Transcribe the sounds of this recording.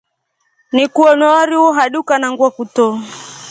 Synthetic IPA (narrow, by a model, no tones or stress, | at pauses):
nikuɔnɔwaɾiwɔɦaɗukanaŋɡwakutɔ